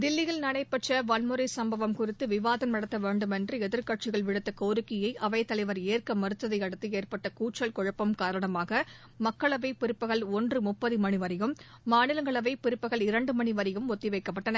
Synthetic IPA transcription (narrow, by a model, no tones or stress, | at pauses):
d̪ɪlːɪɣɐɭnɐɽɐɪpːɐʈrɐʋɐnmɯɾɐɪsɐmbɐʋɐmkʊrɪt̪ːɯʋɪʋaːðɐnnɐɽɐt̪ːɐʋeːɳɖɯmɛndrɯɛðɪɾkɐʈ̚t͡ʃɪɣɐɭʋɪɽɯt̪ːɐkoːɾɯkːɪjɐɪʔɐʋɐɪt̪ːɐlɐɪʋɐɾeːrkɐmɐɾɯt̪ːɐðɐɪɐɽɐt̪ːɯeːrpɐʈːɐkuːʈt͡ʃɐɭkɔɻɐpːɐmkaːɾɐɳɐmaːɣɐ | mɐkːɐɭɐʋɐɪpːɪɾɯpːɯɣɐɭɔndrɯmʊpːɐðɯmɐniʋɐɾɪɣɯmː | aːnɪlɐŋɡɐɭɐʋɐɪpːɪɾɯpːɯɣɐɭɪɾɐɳɖɯmɐɳiʋɐɾɪɣɯmɔt̪ːiʋɐɪkːɐpːɐʈːɐnɐ